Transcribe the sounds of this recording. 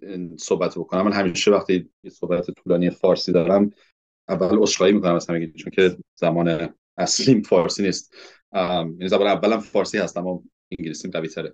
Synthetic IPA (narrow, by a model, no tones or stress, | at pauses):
isohbæt̪ʰbokʰonæmːænɦæmiːʃevæχt̪ʰiːjesohbæt̪ʰet̪ʰuːlɒːnijefɒːɾsiːd̪ɒɾæm | ʔævːælosʃχɒːjimiːkʰonæmæz̥hæmeɟiɾit͡ʃʰoncʰe̞zæmɒːne | æsliːmfɒːɾsiːniːst̪ | jænizæmɒːneævːælæmfɒːɾsiːhæst̪æmːɒ | iŋɟilisiːmɢæviːt̪ʰæɾe